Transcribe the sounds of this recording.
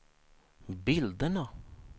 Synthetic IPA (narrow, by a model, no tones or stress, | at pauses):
bɪld̪ənə